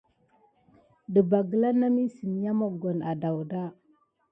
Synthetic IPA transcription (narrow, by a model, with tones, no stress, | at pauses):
də˨ba˨ɡə˨la˦na˦mi˦si˨m˦ja˦ma˨ɡo˨na˨da˨wda˦